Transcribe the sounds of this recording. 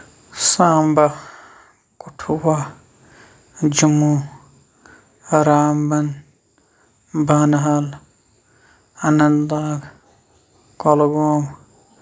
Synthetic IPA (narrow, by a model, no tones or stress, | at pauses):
sãːmba | kuʈʰuwa | d͡ʒumu | ɾaːmbɐn | baːnɐɦal | ɐnɐnlaːɡ | kolɡoːŋ